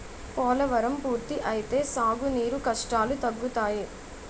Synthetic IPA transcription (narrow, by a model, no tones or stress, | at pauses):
pɔːlɐʋɐɾɐmpuːɾt̪iʔɐjit̪e̞ːsaːɡuniːɾukɐʂʈaːlut̪ɐɡːut̪aːji